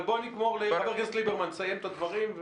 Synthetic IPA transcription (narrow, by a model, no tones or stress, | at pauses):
boniɡmo̞ʁlebeʁɡazklibeʁmansajemt̪ad̪vaʁimv